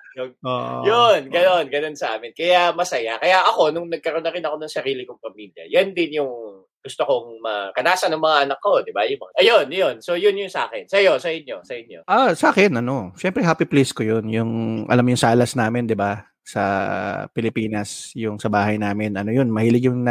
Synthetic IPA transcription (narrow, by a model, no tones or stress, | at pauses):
jooːʔjonɡɐno̞nɡɐno̞nsɐʔa̰ːmɪnkɐjamɐsɐjakɐjaʔɐko̞nʊŋnɐɡ̚kɐɾonɐɾɪnɐko̞nɐŋsɐɾiːlɪkʊŋpɐmiljɐ̰jɐnd̪ɪnjʊŋ | ɡ̥ʊst̪oko̞ŋmɐkɐnaːsɐnʊŋmɐŋaʔɐnɐkːo̞d̪ɪbajʊŋmɐŋaʔɐjonjonso̞jʊnjʊŋsɐʔa̰ːkɛnsɐjosɐjʊno̞sɐjɪnjo̰ʔasaːkɛnʔɐno̞ʃɛmpɾɛɦaːpipleskojonjʊŋʔɐ̰lamjʊŋsaːlɐsnaːmɪnd̪ɪba | sɐ̰pɪlɪpiːnɐsjʊŋsɐbaːhɐjnaːmɪnɐnojʊnmɐhiːlɪɡjʊŋn